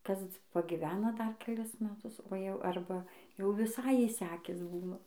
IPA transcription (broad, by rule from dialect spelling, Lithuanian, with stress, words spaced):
ˈkɐs pɐɡʲɪˈʋʲæːnɐ ˈdɐr kʲɛˈlʲɪs mʲɛˈtʊs oː jɛʊ ˈɐrbɐ jɛʊ ʋʲɪˈsɐɪ ɪʃʲˈsʲæːkʲɪs ˈbuːnɐ